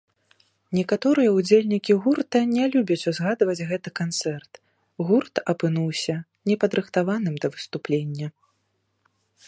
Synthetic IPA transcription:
nʲɛkat̪ɔɾɨjɐud͡zʲelʲnʲikʲiɣurt̪ɐnʲɛlʲubʲɐt͡sʲuzɣad̪vɐd͡zʲɣɛt̪ɨkant̪sɛrt̪ | ɣurt̪ɐpɨnuwsʲɐ | nʲɛpɐd̪ɾɨxt̪avan̪ɨmd̪ɐvɨst̪uplʲenʲːɐ

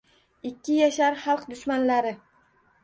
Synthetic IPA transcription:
ɪkʲʰːɪjaʃaɾχɑlˠqd̪ʊʃmanlaɾɪ

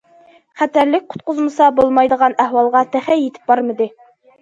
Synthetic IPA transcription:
χæt̪æɾlɪk̚ʲqʰʊ̥t̪̚qʊzməsɑbolˠmɑjd̪əʁɑnæhwɑlˠʁɑt̪ʰæχæjet̪ʰɪ̥p̚bɑɾməd̪ɪ

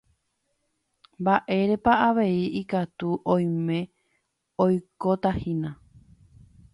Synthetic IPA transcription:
mbaʔe̞ɾe̞paaʋe̞iikat̪uʔõj̃mẽ̞ | ojkot̪ahĩnã

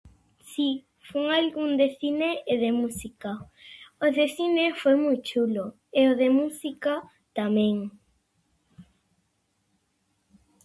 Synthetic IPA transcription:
si | fuŋalɡund̪eθineːðemusika | oðeθinefojmujt͡ʃulo | eoðemusika | t̪amẽŋ

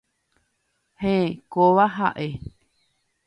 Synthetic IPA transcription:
hẽkoβaɦaʔe

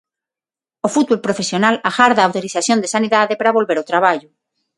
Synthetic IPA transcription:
ofut̪̚βolpɾofesjonalaxaɾðaːwt̪oɾiθaθjond̪esaniðaðepaɾaβo̞lβeɾot̪ɾaβ̞aʎʊ

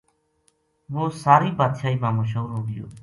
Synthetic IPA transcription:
ʋoːsaːɾiːbaːd̪ʃaːiːmãːmõːʃəuɾɦoːɡɪjo̰ː

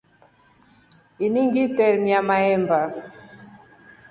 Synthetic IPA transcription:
iniŋɡitɛɾmiamaɛmba

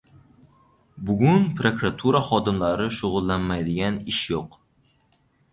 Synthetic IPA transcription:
bʊɡʲʊnpʰɾokɾat̪ʰuɾaχɒd̪ɪmlaɾɪʃʊʁʊlˠːanmajd̪ɪɡʲanɪʃjoq

